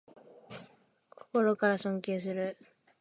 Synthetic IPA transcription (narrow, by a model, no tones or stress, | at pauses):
kʰo̥ko̞ɾo̞kaɾasõŋkʲe̞ːs̬ɨɾɯ̟